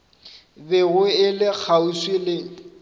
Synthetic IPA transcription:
beɣʊɪlɪk͡xʰauswɪlɪːŋ̩

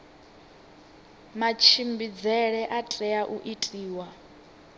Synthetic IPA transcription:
mat͡ʃʰimbid͡zɛɺɛʔatʼɛaʔuʔitʼiːwa

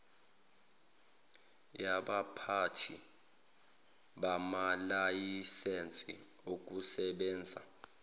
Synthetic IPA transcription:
jaɓapʰatʰi | ɓamalajisɛnt͡sʼḭ | ok̬ʼusɛɓɛːnd͡zʱa

